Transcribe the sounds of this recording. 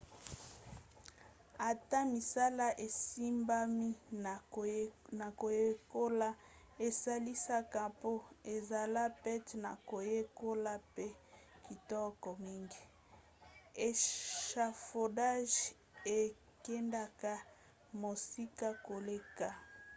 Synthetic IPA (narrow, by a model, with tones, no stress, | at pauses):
a˨ta˦mi˨sa˦la˦ʔe˨si˦mba˦mi˦˨ | na˨ko˨je˦ko˦la˦ | e˨sa˦li˦sa˦ka˦po˦e˨za˨la˦pɛ˦tna˨ko˨je˦ko˦la˦pe˦ki˨tɔ˦kɔ˨mi˦ŋɡi˨ | e˨ʃa˨fo˨da˦ʒ | e˨ | kɛ˦nda˦ka˦ | mo˨si˦ka˦ko˨le˦ka˦˨